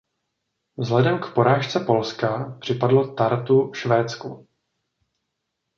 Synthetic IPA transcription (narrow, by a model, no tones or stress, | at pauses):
vzlɛdɛmkpo̞ɾaːʃt͡sɛpo̞lskapr̝̥ɪpadlo̞t̪aɾt̪uʃvɛːt͡sku